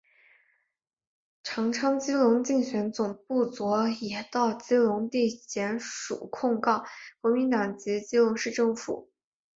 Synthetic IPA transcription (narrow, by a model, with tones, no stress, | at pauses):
ʈ͡ʂʰɑ˧˥ŋʈ͡ʂʰɑ˥ŋt͡ɕi˥lʊ˧˥ŋt͡ɕi˥˩ŋɕɥɛ˧˥nt͡sʊ˨˩ŋpu˥˩t͡swɔ˧˥jɛ˧˩t̪ɑ˥˩ʊt͡ɕi˥lʊ˧˥ŋt̪i˥˩ɕjɛ˧˥nʂṵ˨˩kʰʊ˥˧ŋkɑ˥˩ʊkwɔ˧˥mi˧˥nt̪ɑ˨˩ŋt͡ɕi˧˥t͡ɕi˥lʊ˧˥ŋʂɻ̩˥˧ʈ͡ʂɤ˥˩ŋfṵ˨˩˦